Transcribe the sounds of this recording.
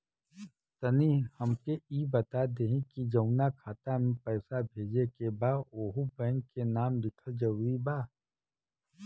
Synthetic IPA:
t̪ɐnihɐmkeiːbɐt̪ad̪eːɦẽkid͡ʒɐʊnakʰaːt̪amẽpɛːsabʱeːd͡ʒekebaːoːɦubɛ̃ːŋkkːenaːmd̪ɪkʰəd͡ʒəɾuibaː

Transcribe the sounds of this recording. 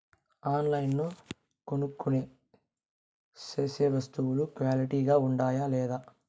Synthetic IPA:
aːnlɐjnnoː | konukːuneː | t͡ʃeːseːʋɐst̪uwulukʋaːliʈiːɡaːuɳɖaːjalɛːd̪aː

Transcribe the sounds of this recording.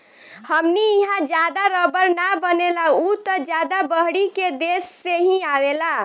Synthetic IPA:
həmniiɦãd͡ʒjad̪aɾəbəɾnabənelaut̪əd͡ʒjad̪abəɦɽiked̪esːeɦĩawela

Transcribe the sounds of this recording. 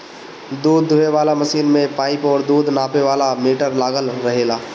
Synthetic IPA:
d̪uːd̪ʱːʊeʋaːlamɐsiːnmẽpaːɪpɔːɾd̪uːd̪ʱnaːpeʋaːlamiːʈəɾlaːɡəlɾɐɦeːlaː

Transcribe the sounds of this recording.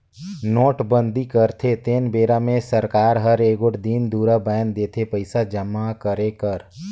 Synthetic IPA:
noːʈbə̃nd̪ikəɾt̪ʰet̪eːnbeːɾamẽsəɾkaːɾɦəɾeːɡʊʈʰd̪ind̪uːɾabɛːnd̪eːt̪ʰepəɪsad͡ʒəmːakəɾekəɾ

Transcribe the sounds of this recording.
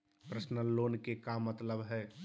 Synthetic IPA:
pɾəsnəlːoːnkekamət̪ləbɦɛː

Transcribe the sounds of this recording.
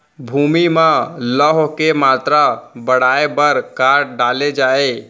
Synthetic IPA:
bʱumimẽləɦokemat̪ɾabəɽ̤aebəɾkaɾɖaled͡ʒae

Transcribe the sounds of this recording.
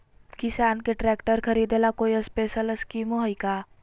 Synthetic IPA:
kɪsaːnkeʈɾɛːkʈəɾkʰɐɾiːd̪elakoːiəspeːʃələskiːmoɦəjkaː

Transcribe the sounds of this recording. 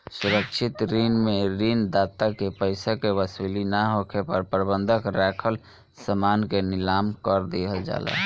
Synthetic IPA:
suɾəkt͡ʃʰit̪ɾinmeɾind̪at̪akepəɪsakeʋəsilinaɦokʰepəɾpɾəbənd̪ʱəkɾɛkʰəl | səmankenilamkəɾd̪eɦəld͡ʒa̰lɛ̰

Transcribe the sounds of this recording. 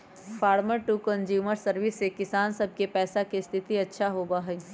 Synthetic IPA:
fʰaːɾməɾʈukə̃nd͡ʒjuːməɾsəɾʋɪsːekɪsaːnsɐb̚ʱkepɛːsakest̪ʰɪt̪iɐtːʃʰaɦoːbaɦɛ

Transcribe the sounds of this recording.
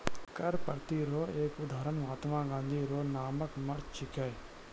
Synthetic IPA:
kɐɾpɐɾt̪iɾoːeːkʊd̪ʱaːɾənʋaːt̪maːɡãːnd̪ʱiːɾoːnaːməkmɐɽt͡ʃʰɪkaːj

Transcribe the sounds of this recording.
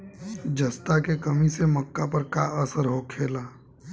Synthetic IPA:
d͡ʒɐst̪akekəmisemɐkːapəɾkaəsəɾɦokʰeːlaː

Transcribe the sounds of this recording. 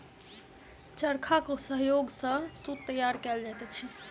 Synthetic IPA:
t͡ʃəɾkʰakosəɦjoɡsə̃sut̪ːəjaɾkɛld͡ʒat̪ɛt͡ʃʰi

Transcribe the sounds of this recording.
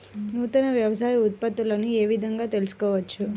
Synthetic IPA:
ɦũt̪ənaʋjəʋsajut̪̚pat̪ulanieʋid̪əŋɡat̪əlskəʋət͡ʃʰu

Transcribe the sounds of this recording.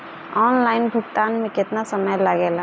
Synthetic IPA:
ɔːnlaːɪnbʱʊɡt̪aːnmẽkɪt̪nasəməjlaɡɛla

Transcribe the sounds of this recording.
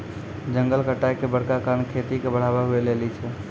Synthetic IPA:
d͡ʒəŋɡəlkəʈajkebəɽkakaɾnkʰet̪ikebəɽ̤abaɦuelelit͡ʃʰɛ

